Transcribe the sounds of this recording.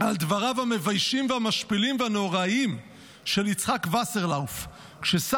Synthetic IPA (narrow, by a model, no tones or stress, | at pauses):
ald̪vaʁavame̞vajʃimvehamaʃpilimveanoʁaim | ʃe̞lit͡sχakvaseʁlawf | kʃesa